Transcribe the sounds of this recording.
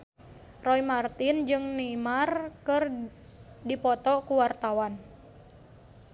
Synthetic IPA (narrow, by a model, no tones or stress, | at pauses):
rɔimart̪ind͡ʒɨŋnimarkɨr | dipɔt̪ɔkuwart̪awan